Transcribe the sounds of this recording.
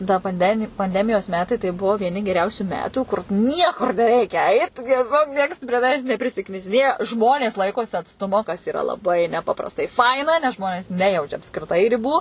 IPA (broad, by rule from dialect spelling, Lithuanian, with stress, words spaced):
tɐ pɐnʲˈdʲæːmʲɪ pɐnʲˈdʲæːmʲɪjoːs ˈmʲæːtɐɪ tɐɪ ˈbʊʋoː ʋʲiɛˈnʲɪ ɡʲɛˈrʲɛʊsʲuː ˈmʲæːtuː kʊr ˈnʲiɛkʊr nʲɛˈrʲɛɪkʲɛ ˈɐɪt tʲiɛˈsʲoːk ˈnʲiɛks pʲrʲiɛ tɐˈʋʲæːs nʲɛpʲrʲɪsʲɪknʲɪsʲɪˈnʲeːjɛ ˈʒmoːnʲeːs ˈlˠɐɪkoːsʲɪ ɐtsˈtʊmoː kɐs ɪˈrɐ lˠɐˈbɐɪ nʲɛˈpɑːprɐstɐɪ ˈfɐɪnɐ nʲɛs ˈʒmoːnʲeːs ˈnʲæːjɛʊt͡ʃʲɛ ɐpskrʲɪˈtɐɪ rʲɪˈbuː